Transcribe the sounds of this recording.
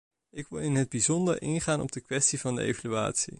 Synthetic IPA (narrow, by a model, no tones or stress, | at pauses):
ɪkʋɪlˠɪnɦəd̚bizɔndə̰ɹʔɪnχaːnɔ̰b̚dəkʋɛstivɑndə̰ḛjvalya̰ːtsḭ